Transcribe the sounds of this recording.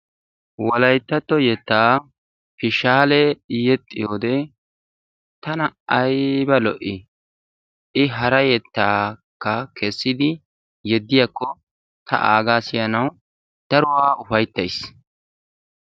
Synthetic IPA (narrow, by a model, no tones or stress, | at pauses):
wɔlɐjt̪ːɐt̪ːɔjɛt̪ːaː | fɪʃaːlɛjɛt̪ʼːɪjoːd̪ɛ | t̪ɐnɐɐjbɐlɔ̰ʔɪ | ʔɪɦɐɾɐjɛt̪ːaːkːɐkʰɛsːɪd̪ɪ | jɛd̪ːɪjakːɔ | t̪ʰɐ̰ʔaːɡaːsɪjɐnɐw | d̪̥ɐɾʊwaːʊfɐjt̪ːɐjs